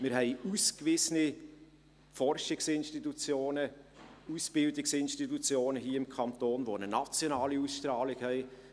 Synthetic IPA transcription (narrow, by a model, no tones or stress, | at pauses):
mɪɾhɛɪuskvɪsəni | fɔɾʃɪksɪnʃtitut͡sjoːnəusb̥ɪldɪksɪnʃtitut͡sjoːnəɦiːɪmkʰɑnt̪oːnvoːənənɑt͡sjonɑːliusʃtɾɑːlɪɡhɛɪ